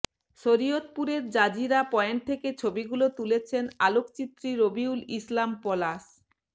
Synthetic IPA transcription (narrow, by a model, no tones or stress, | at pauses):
ʃoɾiot̪̚puɾeɾd͡ʑad͡ʑiɾapɔent̪ʰeket͡ɕʰobiɡulot̪ulet͡ɕʰenalokt͡ɕit̪ːɾiɾobiulislampɔlas